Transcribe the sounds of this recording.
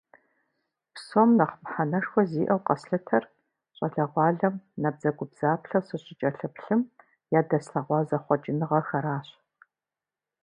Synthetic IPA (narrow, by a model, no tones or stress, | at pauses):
psomnɐχmħanɐʂxʷɔziːʔɐwqɐsɬɐtʰɐr | ɕʼɐɬɐʁʷɑːɮɐmnɐb̚z̥ɐɡʷʊbz̥aːpɬɐwsɨɕʼɪt͡ʃʼɐɬɨpɬɨm | jaːdɐsɬɐʁʷɑːzɐχʷɔd͡ʒʼɪnɨʁɐxɐɾaːɕ